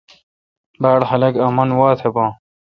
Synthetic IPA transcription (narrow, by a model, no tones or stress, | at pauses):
baːɽxɐlɐɡɐmɐnwaːt̪ʰebãː